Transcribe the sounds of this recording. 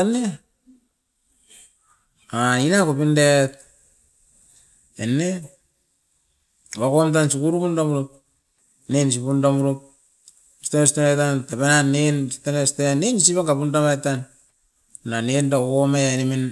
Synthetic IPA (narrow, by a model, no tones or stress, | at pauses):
ane | ainakupindet̚ | ene | wakomt̬ansukuɾupundamuɾup̚ | nens̬ipundamuɾup̚ | stanesitamatantapenanensi̥tanestenenisipaŋɡapundamajtanː | anendakomejanemin